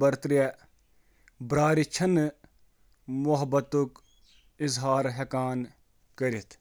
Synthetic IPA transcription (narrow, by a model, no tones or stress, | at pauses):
bɐɾt̪ɾe | bɾaːɾit͡ʃʰɐn | mʊɦɐbɐt̪uk | ɪzɦaːɾɦekaːn | kɐɾit̪ʰ